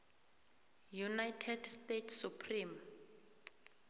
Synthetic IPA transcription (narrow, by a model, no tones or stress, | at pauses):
junajtʰɛdstetʰsupʰrim